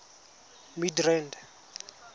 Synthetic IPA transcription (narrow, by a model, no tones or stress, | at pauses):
midrɛnd